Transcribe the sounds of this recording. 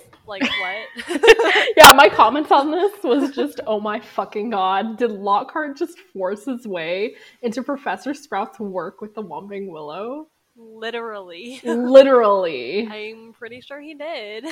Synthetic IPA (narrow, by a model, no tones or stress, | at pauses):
laɪkwʌt̚ | jæmaɪkʰɑmɛ̃ntn̩ðɪswʌzd͡ʒʌstoʊmaɪfʌkɪ̃ŋɡɑddɨdˡlɑkʰɑɹd̚d͡ʒʌstfɔɹshɨzweɪɪ̃ntʉpʰɹ̥ɨfɛsə˞skɹaʊtswɜ˞kwɨðəwɑ̃mpɪ̃ŋwɪlˠoʊ | lɪɾə˞l̩ˠilɪɾə˞l̩ˠiãɪ̃mpʰɹ̥ɪɾiʃʊɹidɪd̥